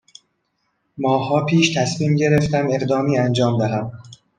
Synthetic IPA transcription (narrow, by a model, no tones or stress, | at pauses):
mɒːhɒːpʰiːʃt̪ʰæsmiːmɟe̞ɾeft̪æme̞ɣd̪ɒːmiːænd͡ʒɒːmd̪æɦæm